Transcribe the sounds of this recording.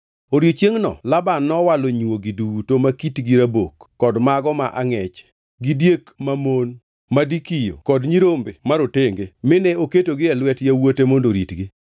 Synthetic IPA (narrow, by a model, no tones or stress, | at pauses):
oɾjot͡ʃjeŋnɔ̰labanːɔwaloɲoɡidutomakitɡiɾabokːɔdmaɡɔmaʔaŋɛt͡ʃ | ɡidjekmamon | madikijo̰kɔdɲiɾombemaɾoteŋɡemɪnɛoketoɡɪɛlwɛtjawotemondoɾitɡɪ